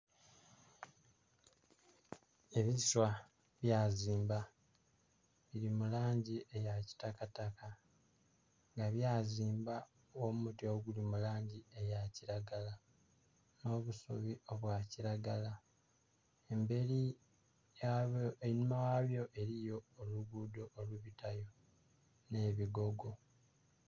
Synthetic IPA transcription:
e̞βiswa | βjaːziːmba | βiɾimulaːɲɟiʔejaci̥takataka | ŋɡaβjaːziːmba | womutio̞ɡulimulaːɲɟie̞jaciɾaɡala | no̞ːβusṵβio̞βwaːciɾaɡala | embe̞ɾi | jaoenmawaβjo̞ʔe̞ɾijo̞ːluɡudo̞ːluβitajo̞ | ne̞βiɡo̞ɡo̞

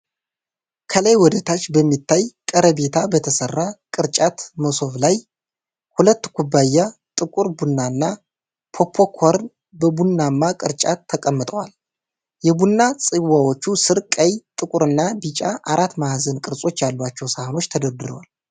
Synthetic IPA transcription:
kʰələjwɔd̪ət̪ʰat͡ʃːbəmːit̪ʰːajkʼəɾəbe̞t̪ʰabət̪ʰəsərːakʼɨɾt͡ʃʼat̪məso̞βlaj | hulət̪ːɡʰubːajːat̪ʼɨkʼuɾbunːanːa | pʰo̞pʰːo̞kʰoɾn | bəbunːamːakʼɨɾt͡ʃʼat̪ʰːəkʼəmːɨt̪ʼəwal | jɛbunːasʼɨwawo̞t͡ʃːusɨɾkʼəjt̪ʼɨkʼuɾɨnːabit͡ʃʼaʔaɾat̪ːmahazənkʼɨɾsʼo̞t͡ʃːjalːwat͡ʃːɛwsahno̞t͡ʃːt̪ʰəd̪əɾd̪ɨɾəwal

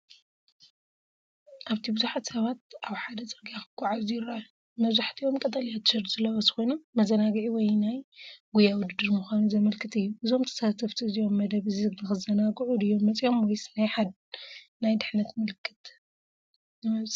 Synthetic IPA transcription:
ʔaβt̪ʰibɨzuħat̪sɐβat̪̚ʔaβħad̪ɐt͡sʼɐɾɡiakɨɡ̥ʷʼaʕazujɪɾa | mɐβzaħt̪ʰiʔo̞mkʼɐt̪ʼɐlijat̪ʃɨɾzɨlːɐwɐzɨxonuːɐzɐnaɡɨʕiwɔjnajɡujawʊd̪ɨd̪ːɨɾmuxʷanuzɐmɐlkʰɨt̪ʰʼɨjːuʔɨzo̞mt̪ʰɐ̥sat̪ʰɐft̪ʰɨzijo̞mːɐd̪ɐβɨzɨnɨxɨzɐnaɡʕud̪ɨjːo̞mːɐt͡sʼjo̞mwɔjsɨnajħad̪̚ | najd̪ɨħnɐt̪mɨlɨkʰːɨ̥t̪ | nɨmɐzʼ

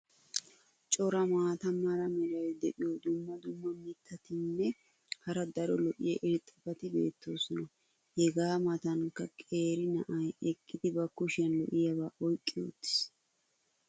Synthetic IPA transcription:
t͡ʃʼɔɾɐmaːt̪ɐmːɐɾɐmɛɾɐwd̪ɛʔɪjod̪ʊmːɐd̪ʊmːɐmɪt̪ːɐt̪ɪnːɛ | hɐɾɐd̪ɐɾɔlɔʔɪjɛʔɪɾɪt̪ʼːɐfɐt̪ɪbe̞̰ːt̪ːo̞ːsɔnɐ | hɛɡaːmɐt̪ɐŋkːɐkʼe̞ːɾɪnɐʔɐjɛkʼːɪd̪ɪbɐkːʊʃɪɐnlɔ̰ʔɪjɐβaːʔɔjkʼːɪjo̰t̪ːɪ̥s

